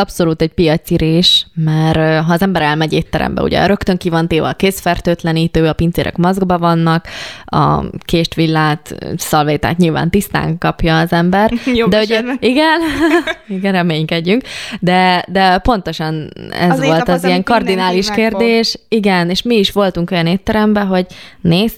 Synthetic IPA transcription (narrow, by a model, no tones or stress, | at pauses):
ɒpsoluːt̪ɛɟpijɒt̪siɾeːʃmɛɾɦɒːzɛmbɛɾɛlmɛɟeːt̪ːɛɾɛ̰mbɛ̰ṵɟɛ̰ɾøkt̪ø̞ŋkivɒnt̪eːvɛ̰ːkeːsfɛrt̪øːt̪lɛniːt̪øːɒpint̪seːɾʔɛ̰kmɒzɡbɒvɒnːɒkɒ̰keːʃt̪ʋilːaːt̪sɒlveːt̪a̰ːt̪ɲilva̰ːnt̪ist̪a̰ːŋkɒpjɒːzɛmbɛrd̪ɛoɟiɡɛniɡɛnrɛmeːɲkɛɟːyŋkd̪ɛd̪ɛpo̞nt̪o̞ʃɒnɛ̰zʋo̞lt̪ɒzijɛŋkɒrd̪inaːliʃkeːrd̪eːʃiɡɛneːʃmiːʃʋo̞lt̪uŋko̞jɒneːt̪ːɛɾɛmbɛɦo̞ɟneːs